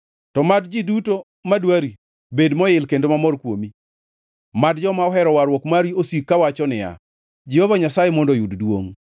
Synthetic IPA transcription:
tɔmadd͡ʒiduto | madwaɾi | bedmɔɪlkendomamɔrkwomi | madd͡ʒɔmaɔɦɛɾɔwaɾwɔkmaɾiosikːawat͡ʃɔnɪja̰ | d͡ʒihɔvaɲasajɛmɔndɔjuddwo̰ŋ

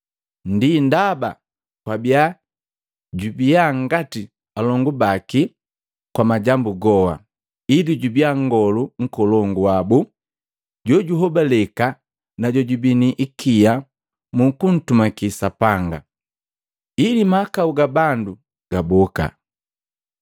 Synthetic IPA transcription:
ndindaba̰ | kwabja | ɟubiaŋ̩ɡati | alɔŋɡubaki | kwamaɟambuɡɔha̰ | iliɟubiaŋɡɔluŋ̩kɔlɔŋɡuabu | ɟɔɟuɦɔbalɛka | naɟɔɟubiniʔikija | mukun̩tumakisapaŋɡa̰ | ilimakauɡabandu | ɡ̥abɔka̰

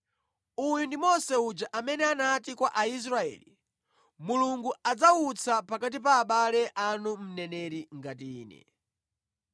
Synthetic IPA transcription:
ujundimɔsɛud͡ʒaʔamɛnɛanatikwaʔais̬ɾaɛ̰ːli | muluŋɡuad͡zaut͡sʰapakat̬ipaːɓalɛʔanum̩nɛnɛɾiŋɡat̬iiːnɛ̰

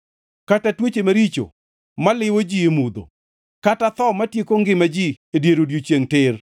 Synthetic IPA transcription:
katatwet͡ʃemaɾit͡ʃo̰ | malɪwod͡ʒiemud̪o̰ | katat̪ɔmatjekoŋɡɪmad͡ʒi | edjeɾodjot͡ʃjeŋtɪr

